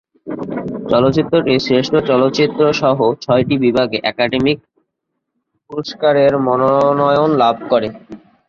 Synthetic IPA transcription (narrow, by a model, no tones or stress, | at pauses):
t͡ɕɔlot̪ːɕit̪ːɾoʈisɾeʃʈʰot͡ɕɔlot̪ːt͡ɕit̪ːɾoʃɔɦot͡ɕʰɔjʈibibʱaɡeʔɛkaɖemik̚ | puɾoʃkaɾeɾmɔnonɔjonlab̚ʱkɔɾe